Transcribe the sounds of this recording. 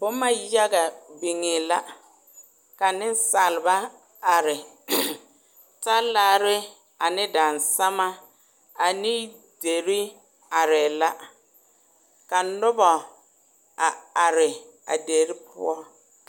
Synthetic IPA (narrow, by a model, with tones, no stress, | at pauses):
bʊ˦ma˦ja˦ɡa˨bi˨ŋɪ˨la˦ | ka˨nɪ˦n˦sa˨lɪ˨ba˦ | a˨ɾɪ˨ | ta˦laː˦ɾɪ˦ | a˨nɪ˦da˨nsa˦ma˦ | a˨ni˦ | de˨ɾi˦ | a˨ɾɪ˨la˦ | ka˨nʊ˦bɔ˨ | a˨a˨ɾɪ˨ | a̰˨de˨ɾi˦pʰʊ̰˦ɔ˦